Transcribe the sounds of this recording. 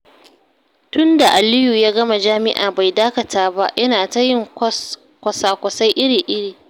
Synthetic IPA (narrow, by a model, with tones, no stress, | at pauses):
tʊ˦nda˨ʔa˨lɪ˦juː˨jaː˦ɡɐ˦ma˨d͡ʒaː˦mɪ˦ʔa̰ː˨ba˨jdaː˦kɐ˨tʰaː˦ba˦jɐ˦naː˨ta˦jɪ˦ŋ | kʷɐ˨saː˨kʷɐ˨sa˦jʔɪ˦ɽiː˨ʔɪ˦ɽiː˨